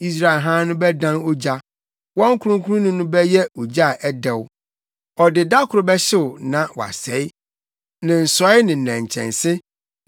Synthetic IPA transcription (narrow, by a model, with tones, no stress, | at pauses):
i˦s̬ɾa˦˨ɪ˨ɦã˦nʊ̃˦bɛ˦dã˦no˦d͡ʑa˦ | wɔ̃˦ŋ̩˦kʰʊ˦ɾʊ̃˦kʰũ˦ɾʊ̃˦nʊ̃˦nʊ̃˦bɛ˦jɛ˦o˨d͡ʑa˦˨ʔɛ˦dɛ˨wʊ˦ | ɔ˨dɪ˨da˦kʰʊ˨ɾʊ˨bɛ˦ɕɪ˦wʊ˨nã˨wa̰˨sɛ˨˦ɪ˦ | nɪ̃˨n̩˨sɔ˨˦ɪ˦nɪ̃˨n̩˨næ̃˨ɲ˨t͡ɕʰɛ̰̃˨nsɪ˦